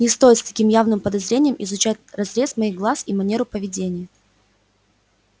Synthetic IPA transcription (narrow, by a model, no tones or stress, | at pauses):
nʲɪst̪o̞jɪt̪st̪ɐ̥kʲimjavnɨmpəd̪ɐzɾʲenʲɪjəmʔɪzʊt͡ɕætʲrɐzɾʲe̞smɐixɡlˠasimɐnʲeɾʊpəvʲɪdʲenʲɪjə